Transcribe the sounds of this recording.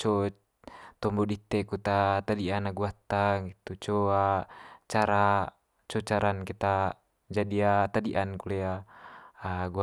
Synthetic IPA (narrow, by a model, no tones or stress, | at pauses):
t͡ʃɔ | t̪ɔmbɔdit̪ːekut̪at̪adianaɡuat̪ːaɡit̪ut͡ʃɔat͡ʃaɾa | t͡ʃɔt͡ʃaɾankit̪a | d͡ʒadiat̪adiʔankuleaː | ɡua